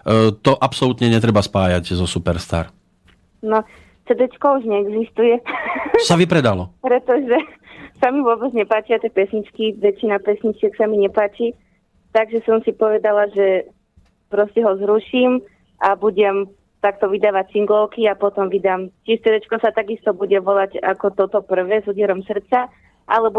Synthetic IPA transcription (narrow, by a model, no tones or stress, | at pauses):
t̪ɔʔapsɔlut̪ɲɛɲɛt̪ɾɛbaspaːjaɟzɔsupɛɾst̪a̰ːɾ | nɔ | t͡sɛd̪ɛt͡ʃkɔuʒɲɛːɡzist̪ujɛsaʋipɾɛd̪alɔpɾɛt̪ɔʒɛ | samiʋʊɔbɛd͡zɲɛpaːt͡ʃiat̪ɛpɛsɲit͡ʃkiʋɛt͡ʃːinapɛsɲit͡ʃɪɛksamiɲɛpaːt͡ʃiː | t̪aɡʒɛsɔmsipɔʋɛd̪alaʒɛ | pɾɔscɛɦɔzɾuʃim | ʔabuɟɛm | t̪akt̪ɔʋid̪aːʋact͡siŋɡlɔʊkiapɔt̪ɔmʋid̪aːmt͡ʃit͡sɛd̪ɛt͡ʃkɔsat̪aɡist̪ɔbuɟɛʋɔlaɟa̰kɔt̪ɔt̪ɔpr̩ʋɛːzud̪ɪɛɾɔmsr̩t̪t͡sa | ʔa̰lɛbɔ